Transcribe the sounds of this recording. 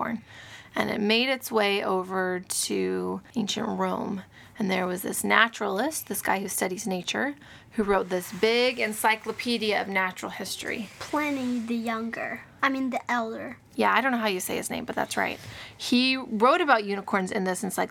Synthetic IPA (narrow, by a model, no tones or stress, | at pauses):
ɔ̰ɹnɨ̰̃nɨ̰t̚meɪɾɨtsweɪʔoʊvə˞ɾʉẽɪ̃nʃɨ̰̃nʔɹõʊ̃m | ɨ̃nðə˞wʌzðɪ̰snæ̰t͡ʃɹl̩ˠɪst̚ðɪsɡ̥a̰ɪhʉstʌɾizneɪt͡ʃə̰˞ | hʉɹoʊt̪̚ðɪsb̥ɪɡɨ̃nsaɪklˠəpʰiɾiɨʌvnæt͡ʃɹl̩ˠhɪstɹ̥ḭpʰl̥ɛniðɨjʌ̃ŋɡə̰˞ | aɪmĩnðiʔɛlˠdə˞ | jæaɪɾõʊ̃nːoʊhaʊjɨseɪɨz̥nẽɪ̃mb̥ʌt̪̚ðæ̰tsɹa̰ɪt̚hiɹoʊɾɨbaʊt̚jʉnəkʰɔɹnzɨ̃nðɪsn̩saɪk